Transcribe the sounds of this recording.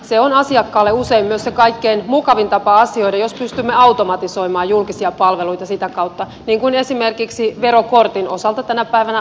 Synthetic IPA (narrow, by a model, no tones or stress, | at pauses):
seonɑsiɑkːɑːlːeuseimmyøssekɑikːeinmukɑʋint̪ɑpɑɑsio̞idɑjospyst̪ymːeɑut̪omɑt̪iso̞imɑːjulkisiɑpɑlʋeluit̪ɑsit̪ækɑwt̪ːɑ | niːŋkunesimerkiksiʋeɾokort̪inosɑlt̪ɑt̪ænæpæiʋænæ